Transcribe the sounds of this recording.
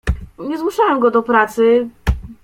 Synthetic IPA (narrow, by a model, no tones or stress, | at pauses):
ɲɛzmuʂawɛmɡɔd̪ɔpɾat̪sɘ